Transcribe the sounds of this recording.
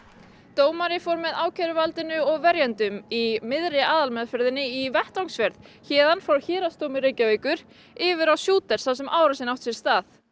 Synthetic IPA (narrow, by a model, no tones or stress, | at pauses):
t̪oːwmaɾɪfowɾmɛðaːwcʰɛɾʏvalt̪ɪnʏɔɣvɛɾjant̪ʏmimɪðɾɪaːðalmɛðfœɾðɪnːɪivɛht̪awŋsvɛɾðçɛːðanfɾawçɪːɾast̪owmɪɾejcaveːjkʏɾ̥ | ɪːvɪɾawsjuːt̪ɛɾ̥sθawsɛmʔaːwɾasɪnawht̪sjɛɾ̥st̪aːθ